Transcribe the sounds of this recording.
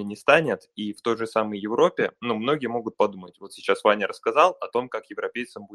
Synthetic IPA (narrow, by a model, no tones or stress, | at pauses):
ɪnʲɪst̪anʲɪt̪ift̪o̞jʐɨsaməjjɪvɾo̞pʲɪnumno̞ɡʲɪjəmo̞ɡʊt̪̚pɐd̪umətʲvo̞t̪sʲɪt͡ɕasvanʲɪɾəskɐzɑlˠɐt̪o̞mkakjɪvɾɐpʲejt̪sɨmbu